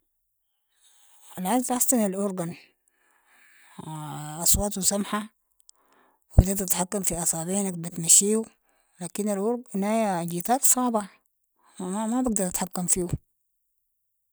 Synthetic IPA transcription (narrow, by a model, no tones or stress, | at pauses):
alʕazt̪ʔɑsˤt̪ˤɑnalʔoɾˤɡan | ʔɑsˤwɑːt̪usamħa | wt̪at̪at̪ħakːamfiʔɑsˤɑːbiːnakbit̪maʃiːu | laːkinalʔoɾɡnaad͡ʒiːt̪aːt̪sˤɑːbɑ | amabaɡd̪ɑɾˤʔat̪ħakːamfiːu